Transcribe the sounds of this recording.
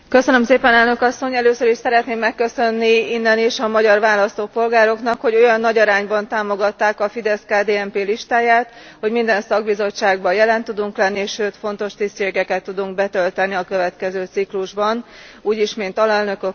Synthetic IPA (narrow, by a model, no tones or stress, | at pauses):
kø̞sønø̞mseːpɛnɛlnø̞kɒsːo̞ɲɛløːsøɾiʃsɛɾɛt̪neːmːɛkːø̞sø̞nːiinːɛniʃɒmɒɟɒrʋaːlɒst̪oːpo̞lɡaːɾo̞knɒkho̞ɟo̞jɒnːɒɟɒɾaːɲbɒnt̪aːmo̞ɡɒt̪ːaːkɒfid̪ɛskaːd̪eːɛmpeːliʃt̪aːjaːt̪ho̞ɟmind̪ɛnsɒɡ̚bizo̞t͡ʃːaːɡ̚bɒjɛlɛnt̪ud̪uŋklɛnːiʃøːt̪fo̞n̪t̪o̞ʃt̪ist̪ʃeːɡɛkɛt̪ːud̪uŋɡ̚bɛt̪ø̞lt̪ɛniɒkø̞vɛt̪kɛzøːt̪sikluʒbɒnuːɟiʃmint̪ɒlɛlnø̞kø